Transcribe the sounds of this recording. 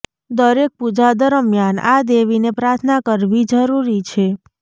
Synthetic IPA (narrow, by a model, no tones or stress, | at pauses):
d̪əɾek̚pud͡ʒad̪əɾmjanad̪eʋinepɾaɾt̪ʰnakəɾʋid͡ʒəɾuɾit͡ʃʰe